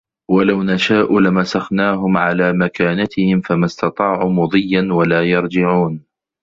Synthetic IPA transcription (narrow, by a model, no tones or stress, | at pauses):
walawnaʃaːʔulɪmasaxnaːɦʊmʕalaːmakaːnat̪ɪhɪmfamast̪ɑt̪ˤɑːʕuːmʊd̪ˤɨjːanwalaːjɑɾˤd͡ʒɪʕuːn